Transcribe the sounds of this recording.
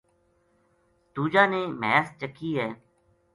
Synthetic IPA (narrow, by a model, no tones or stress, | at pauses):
t̪uːd͡ʒaːneːmɛːst͡ʃəkʰːiːɦɛː